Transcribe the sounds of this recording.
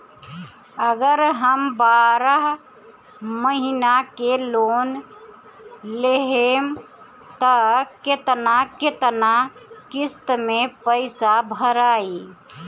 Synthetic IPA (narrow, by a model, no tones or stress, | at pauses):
əɡəɾɦəmbaːɾəɦ | məɦinakeloːn | leɦem | t̪əket̪naket̪nakɪst̪mẽpəɪsabʱəɾaːi